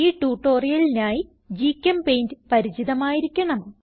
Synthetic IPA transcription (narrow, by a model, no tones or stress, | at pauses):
iːʈuːʈːo̞ːrijɐlinaːji | d͡ʑiːkʲːɐmpejndɨpɐɾit͡ɕiðɐmaːjiɾikʲːɐɳɐm